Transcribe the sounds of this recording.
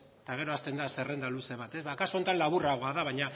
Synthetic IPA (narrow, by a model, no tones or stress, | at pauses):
t̪aɣ̞e̞ɾo̞ast̪e̞nd̪ase̞re̞nd̪aluse̞βat̪e̞zβakasu̞nt̪anlaβuraɣoaðaβajɲa